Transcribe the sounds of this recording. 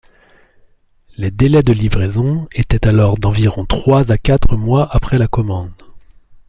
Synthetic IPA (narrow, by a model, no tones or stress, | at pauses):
led̪elɛd̪əlivʁezɔ̃et̪ɛt̪alɔʁd̪ɑ̃viʁɔ̃t̪χwazakʲat̪χəmwaʔapχɛlakɔmɑ̃d̪